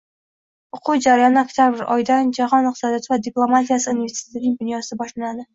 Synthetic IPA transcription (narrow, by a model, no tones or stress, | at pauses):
oqʰʊwd͡ʒaɾajɒnɪakʲt̪ʰʲjabɪɾɒ̰jd̪and͡ʒaɒnɨq̚t̪ɪsɒd̪ijɒt̪ɪvad̪ɪplˠo̞mat̪ijasɪunveɾsɪ̥t̪ʰɪnɪŋd̪ʊnjɒsɪbɒʃlanad̪ɪ